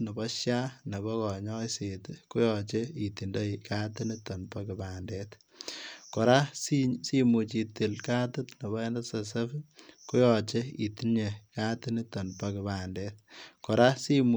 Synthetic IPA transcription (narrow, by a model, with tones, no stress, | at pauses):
nɐ˨bɔ˦ʃja˦ne˨bɔ˦kɔ˨ɲɔ˦jse˨tku˦jɔ˨t͡ʃe˦i˨ti˨nda˦jka˦ti˦ni˦tɔ˨npa˦ki˨ba˨ndɛt | kɔ˨ɾa˦sisi˦mu˨t͡ʃi˨ti˨lka˦tu˦tnɐ˨bɔ˦ɛ˦nɐ˦sɐ˨s̬ɐ˦fku˦jɔ˨t͡ʃe˦ḭ˨ti˦nɲe˨ka˦ti˦ni˦tɔ˨npa˦kiba˨ndɛt̚kɔ˨ɾa˦si˦m